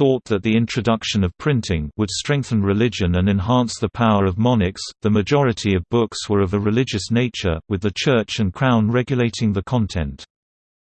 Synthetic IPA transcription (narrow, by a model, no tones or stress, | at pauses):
θɔˑt̪̚ðəʔ̪̚ðiɪ̃nt͡ʃɹ̥ɨdʌkʃə̃nʌv̥pʰɹ̥ɪ̃ntʰɪ̃ŋwəd̥stɹ̥ɛ̃ŋk̚θə̃nɹɪlɪd͡ʒɨ̃nə̃nɨ̃nɦɑ̃ˑnsðəpʰaʊəɹʌvmɑnɪksðəmɨd͡ʒɔɹɨtʰiʌvbʊkswə˞ʌvəɹɨlɪd͡ʒɨsneɪt͡ʃə̰˞wɨðɨt͡ʃʰɜˑ˞t͡ʃɨ̃nkʰɹ̥ãʊ̃nɹɛɡjəleɪtɪ̃ŋðəkʰɒ̃ntʰɛ̰̃nt